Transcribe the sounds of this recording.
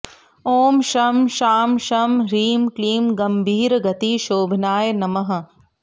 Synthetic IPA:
oːmʃɐmʃaːmʃɐmɾiːmkliːmɡɐmbʱiːɾɡɐt̪iʃoːbʱnaːjnɐmɐɦɐ̆

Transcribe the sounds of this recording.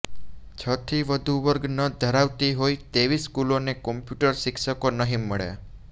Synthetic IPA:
t͡ʃʰət̪ʰiʋəd̪ʱuʋəɾɡnəd̪ʱəɾaʋt̪iɦojt̪eʋiskulonekɔmpjuʈəɾsɪkʰʃəkonəɦiməɭḛ

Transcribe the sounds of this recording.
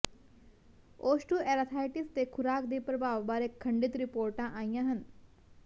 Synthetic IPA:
oːsʈuːɛɾat̪ʰaːjʈist̪ekʰuɾaːkd̪iːpɾəbaʋbaːɾekʰːəɳɖit̪ɾipoːɾʈãʔãjjãɦən

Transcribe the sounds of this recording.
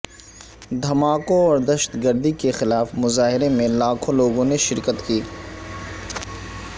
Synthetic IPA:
d̪ʱɐmaːkõɔːɾd̪ɐʃə̥t̪ɡəɾd̪ikexɪlaːfmʊzaːɦɪɾemẽlaːkʰõloːɡõneʃɪɾkət̪kiː

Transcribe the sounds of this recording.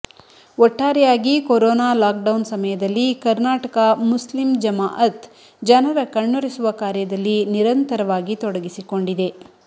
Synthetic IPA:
ɔʈːaːɾɛjaːɡikoɾɔːnaːlaːk̚ɖɐwnsɐmɐjɐd̪ɐlːikɐɾnaːʈɐkɐmuslimd͡ʒɐmaːʔɐt̪ | d͡ʒɐnɐɾɐkɐɳːoɾisuʋɐkaːɾjɐd̪ɐlːiniɾɐnt̪ɐɾɐʋaːɡit̪ɔɽɐɡisiko̞ɳɖid̪e̞

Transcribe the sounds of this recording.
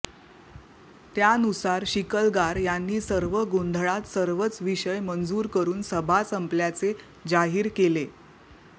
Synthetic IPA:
t̪jaənusaɾɕikəlɡaɾjanːiːsəɾʋəɡond̪ʱɭat̪səɾʋət͡sʋiɕəjmənd͡zuːɾkəɾuːnsəbʱasəmpljat͡se | d͡ʑaɦiːɾkele

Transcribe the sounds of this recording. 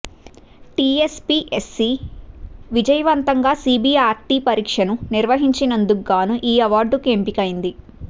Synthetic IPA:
ʈiːespiːʔesːi | ʋid͡ʒɐjɐʋɐnt̪ɐŋɡaːsiːbiːaːɾʈiːpɐɾiːkʂɐnuniɾʋɐɦiɲt͡ʃinɐnd̪uɡːaːnuʔiːɐʋaːɾɖukempikɐjind̪i

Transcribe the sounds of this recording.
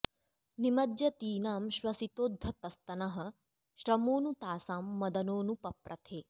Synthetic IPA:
nimɐd̪jɐt̪iːnaːmʃʋɐsit̪oːd̪ʱːɐt̪ɐst̪ɐnɐɦɐ̆ | ʃɾɐmoːnut̪aːsaːmːɐd̪ɐnoːnupɐpɾɐt̪ʰeː

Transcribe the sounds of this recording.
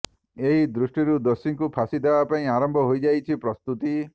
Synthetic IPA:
eɦid̪ɾusʈiɾud̪ɔsiŋkupʰasid̪ʱebapaĩaɾɔmbʱɔɦojd͡ʒajt͡ʃʰipɾɔst̪ut̪i

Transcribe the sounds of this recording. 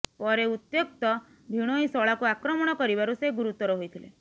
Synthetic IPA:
pɔɾeut̪jok̚t̪ɔ | d̪ʱiɽ̃oĩsɔɭakuakɾɔmɔɽ̃ɔkɔɾibaɾuseɡuɾut̪ːɔɾɔɦojt̪ʰilḛ

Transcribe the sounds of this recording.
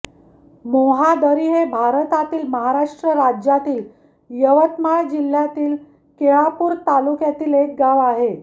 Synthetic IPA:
moɦad̪əɾiɦebʱaɾət̪at̪iːlməɦaɾaʂʈɾəɾad͡ʑjat̪iːl | jəʋət̪maɭd͡ʑil̤ːjat̪iːl | keɭapuːɾt̪alukjat̪iːlek̚ɡaʋaɦe

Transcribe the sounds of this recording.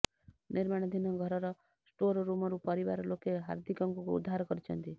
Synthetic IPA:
niɾmaɽ̃ɔd̪ʱinɔɡʱɔɾɔɾɔ | sʈoɾɾumɔɾupɔɾibaɾɔlokeɦa̰ɾd̪ʱikɔŋkukuṵd̪ʱːaɾɔkɔɾit͡ʃʰɔnt̪i

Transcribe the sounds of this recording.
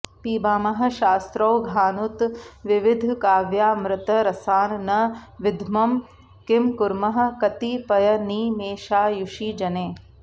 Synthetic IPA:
piːbaːmɐɦɐ̆ʃaːst̪ɾɐwɡʱaːnut̪ʋɪʋɪd̪ʱkaːʋjaːmɾɪt̪ɐɾɐsaːnnɐʋɪd̪ʱmɐm | kɪmkuɾmɐɦɐ̆kɐt̪ipɐjɐniːmeːʃaːjuʃiːd͡ʒɐneː

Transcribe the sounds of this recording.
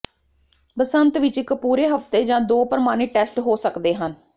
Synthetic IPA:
pəsənt̪ʋɪt͡ʃɪkpuːɾeːɦəft̪eːd͡ʒãːd̪oːpəɾəmaːneːʈɛːsʈɦoːsəkd̪eːɦən

